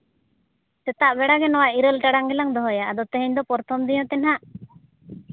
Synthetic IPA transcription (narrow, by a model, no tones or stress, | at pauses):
sɛt̪aʔbɛɽaɡɛnɔwaʔiɾəlʈaɽaŋɡɛlaŋd̪ɔɦɔjaʔad̪ɔt̪ɛɦɛɲd̪ɔpɔɾt̪ʰɔmd̪ijɔ̃t̪ɛnɦaʔ